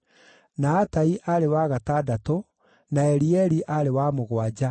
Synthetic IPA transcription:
naːtaiʔaɾewaɣataːdato | naɛɾiɛɾiʔaɾewamoɣwad͡ʑa

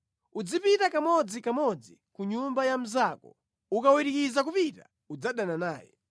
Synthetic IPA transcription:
ud͡zipitakamɔd͡zikamɔd͡zikuɲumbajam̩zakɔ̰ | ukawiɾikizakupita | ud͡zaɗananaːjɛ̰

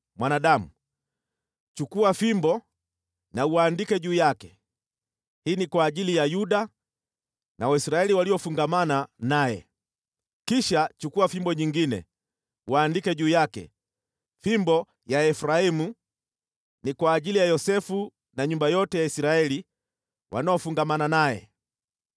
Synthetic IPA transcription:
mwanaɗamu | t͡ʃukuwafimbɔ | nauwaːndikɛʄuːjakɛ | hiːnikwaːʄilijajuɗa | nawaisɾaɛliwaliɔfuŋɡamananajɛ̰ | kiʃat͡ʃukuafimbɔɲiŋɡinɛ̰ | waːndikɛʄuːjakɛ̰ | fimbɔ | jaɛfɾaimu | nikwaːʄilijajɔsɛfu | naɲumbajɔtɛjaisɾaɛli | wʔa̰naɔfuŋɡamananajɛ̰

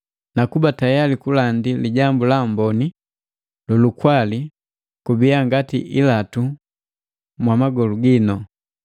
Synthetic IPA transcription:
nakubatajalikulandiliɟambulambɔni | lulukwali | kubiaŋɡatḭʔilatu | mwamaɡɔluɡinɔ

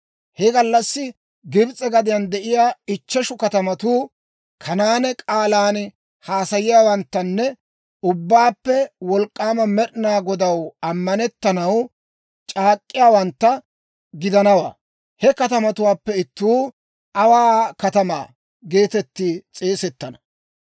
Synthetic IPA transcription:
hɛɡɐlːɐsːɪ | ɡɪbt͡sʼɛɡɐd̪ɪjɐnd̪ɛʔɪjaːɪt͡ʃːɛʃʊkɐt̪ɐmɐt̪uː | kʰɐnaːnɛkʼaːlaːn | haːsɐjɪjaːwɐnt̪ːɐnːɛ | ʊbːaːpːɛwɔlkʼːaːmɐmɛɾɪnaːɡɔd̪ɐwɐmːɐnɛt̪ːɐnɐw | t͡ʃʼaːkʼːɪjaːwɐnt̪ːɐ | ɡɪd̪ɐnɐwa̰ː | hɛkɐt̪ɐmɐt̪ʊwaːpːɛɪt̪ːuː | ʔɐwaːkɐt̪ɐma̰ː | ɡe̞ːt̪ɛt̪ːiːt͡sʼeːsɛt̪ːɐnɐ

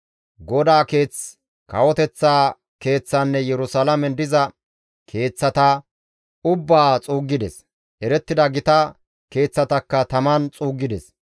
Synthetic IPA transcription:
ɡɔd̪aːke̞ːt͡s | kɐ̰wɔt̪ɛt͡sːaː | ke̞ːt͡sːɐnːɛjɛɾʊsalɐmɛnd̪ɪzɐ | kʰe̞ːt͡sːɐt̪a | ʊbːaːt͡sʼuːɡːɪd̪ɛs | ʔɛɾɛt̪ːɪd̪ɐɡɪt̪ɐ | ke̞ːt͡sːɐt̪ɐkːɐt̪ɐmɐnt͡sʼuːɡːɪd̪ɛs

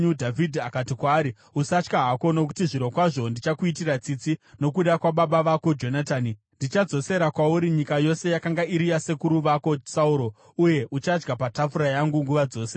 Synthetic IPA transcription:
udʱavidʱiakatikwaːɾi | usat͡ʃkaɦako̞no̞k̬u̥tiʐiɾo̞kwaʐo̞ndit͡ʃakuit̬irat͡sit͡sino̞kuɗakwaɓaɓaʋako̞d͡ʒo̞nataːni | ndit͡ʃad͡zo̞se̞ɾakwauɾiɲikajo̞se̞jakaŋɡaiɾijase̞kuɾuʋako̞sauɾo̞ | uje̞ʔut͡ʃad͡ʒɡapatafuɾajaŋɡuŋɡuʋad͡zo̞ːse̞

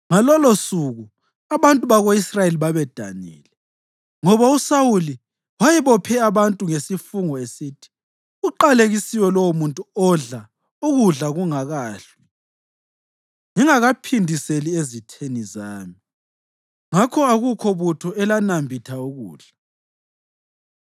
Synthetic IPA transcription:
ŋalɔlosuɣu | aβantʼuβaɣoisrajeliβaβɛd̥ʱa̰nḭːlɛ | ŋɔβausawuli | wajɛβɔpʰɛaβantʼuŋesifuŋɔesiːtʰi̥ | uǃaleɣisiwɛlɔwomuntʼuɔɮa | uɣuɮaɣuŋaɣaːɬwi | ŋiŋaɣapʰindʱiseliezitʰenizaːmi | ŋakʰɔaɣukʰɔβutʰɔɛlanambʱitʰauɣṵːɮ̥a

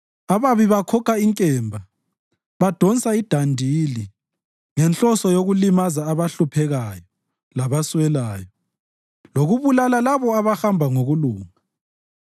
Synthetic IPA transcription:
aβaβiβakʰɔkʰaiŋkʼɛːmbʱa | βad̥ʱɔnsʼaid̥ʱandʱili | ŋɛnt͡ɬʼɔsɔjoɣulimazaːβaɬupʰɛɣajɔ | laβaswɛlaːjɔ | loɣuβulalalaβɔaβaxambʱaŋoɣuluːŋa

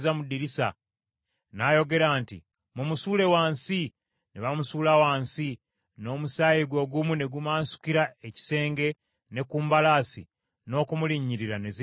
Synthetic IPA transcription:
zamudiɾisa̰ | naːjo̞ɡe̞ɾaːntḭ | mumusuːle̞waːnsi | neβamusuːlawaːnsi | no̞ːmusaːjiɡwo̞ɡumune̞ɡumaːnsu̥kiɾaeci̥se̞ːŋɡe̞ | ne̞kuːmbalaːsḭ | no̞ːkumuliɲːiɾiɾane̞zi

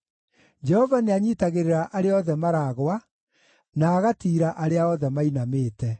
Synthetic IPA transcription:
d͡ʒɛhɔvaneaɲiːtaɣeɾeɾaʔaɾeɔðɛmaɾaːɣwa | naːɣatiːɾaʔaɾeaɔðɛmainameːtɛ

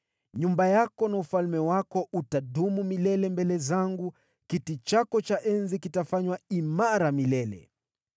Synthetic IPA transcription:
ɲumbajakɔnaufalmɛwakɔʔutaɗumumilɛlɛmbɛlɛzaŋɡu | kitit͡ʃakɔt͡ʃaʔɛnzikitafaɲwaimaɾamilɛlɛ̰

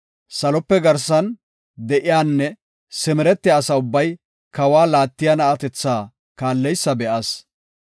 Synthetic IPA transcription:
sɐlɔpːɛɡɐɾsɐn | d̪ɛʔɪjaːnːɛ | sɛmɛɾɛt̪ːɛɐsɐʊbːɐj | kɐwaːlaːt̪ːɪjɐnɐʔɐt̪ɛt͡sːaː | kaːlːɛjsːɐbɛʔɐs

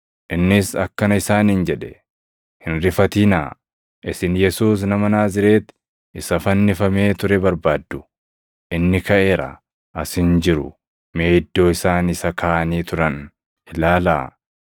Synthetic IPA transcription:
ʔɪnːɪsɐkːɐnɐɪsaːnɪnd͡ʒɛᶑɛ | hɪnɾɪfɐt̪iːnaː | ʔɪsɪnjɛsuːs̬nɐmɐnaːzɪɾe̞ːt̪ | ɪsɐfɐnːɪfɐme̞ːt̪ʊɾɛbɐɾbaːd̪ːʊ | ʔɪnːɪkɐʔe̞ːɾɐ̰ | ʔɐshɪnd͡ʒɪɾʊ | meːd̪ːo̞ːɪsaːnɪsɐkʰaːʔɐniːt̪ʊɾɐn | ɪlaːla̰ː

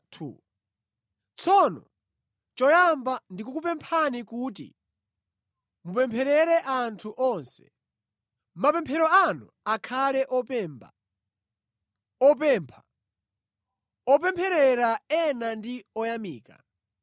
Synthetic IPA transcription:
tʰṵ | t͡sʰɔnɔ̰ | t͡ʃɔjambandikukupɛmpʰanikuːtḭ | mupɛmpʰɛɾɛɾɛʔantʰuʔɔnsɛ̥ | mapɛmpʰɛɾɔanu | akʰalɛʔɔpɛːmba̰ | ɔp̬ɛːmpʰa | ɔp̬ɛmpʰɛɾɛɾaɛnandiɔjamiːka̰

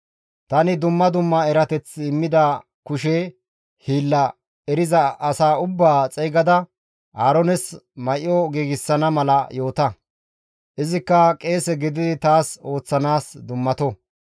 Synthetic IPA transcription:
t̪ɐnɪd̪ʊmːɐd̪ʊmːɐɛɾɐt̪ɛt͡sːɪmːɪd̪ɐ | kʊʃe | hiːlːɐ | ɛɾɪzɐʔɐsaːʊbːaːt͡sʼɛjɡɐd̪ɐ | aːɾɔnɛsmɐʔɔɡiːɡɪsːɐnɐmɐlɐjo̞ːt̪ɐ | ʔɪzɪkːɐkʼe̞ːsɛɡɪd̪ɪd̪ɪt̪aːso̞ːt͡sːɐnaːsd̪ʊmːɐt̪ɔ

